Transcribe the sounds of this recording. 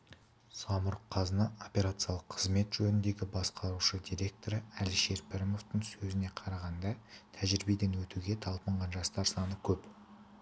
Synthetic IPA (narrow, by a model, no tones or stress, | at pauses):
sɑmʊɾqʰɑzənɑo̞pʲe̞ɾat̪sɨjɑlˠəqʰːəzme̞t̪ʒɵnɪnd̪e̞ɡʲɪbɑsqʰɑɾuʃəd̪ijɾʲe̞k̚t̪o̞ɾəælʃe̞ɾpʰɪɾmo̞ft̪əɴsɵzɪne̞qʰɑɾɑʁɑnd̪ɑt̪ʰæʒɾɪbed̪enwɵt̪uɡʲe̞t̪ʰɑlˠpəɴʁɑnʒɑst̪ɑɾsɑnəkʲʰɵp